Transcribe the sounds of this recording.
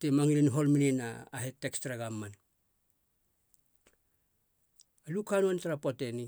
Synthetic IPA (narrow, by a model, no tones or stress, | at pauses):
temaŋilinɦo̞lmininaːɦetːekstɾaɡamːan | alukanuantaɾapote̞ni